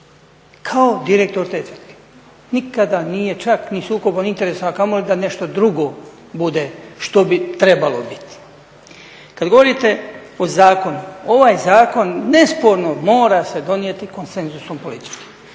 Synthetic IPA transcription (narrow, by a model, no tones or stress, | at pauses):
kʰao̞d̪iɾek̚t̪o̞ɾt̪et̪əɾt̪ke̥ | nikad̪aniːje̞t͡ʃaknisuːko̞bonint̪e̞ɾesoakamolid̪ane̞ʃt̪o̞d̪ɾuɡo̞ː | bud̪e̞ʃt̪o̞bit̪ɾe̞balo̞bi̥t̪i̥ | kad̪ɡo̞ʋo̞ɾit̪e̞ozaːko̞nuo̞ʋaːjzaːko̞nːe̞spo̞ɾnomo̞ːɾase̞d̪o̞nije̞t̪iko̞nse̞nzusompo̞lit̪i̥t͡ʃki̥m